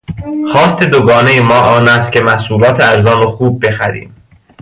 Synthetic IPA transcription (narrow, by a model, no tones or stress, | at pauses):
xɒːst̪ʰed̪oɡɒːne̞jemɒːʔɒːnæst̪̚cʰemæsuːlɒːt̪ʰeæɾzɒːnoxuːb̚ːe̞xæɾḭːm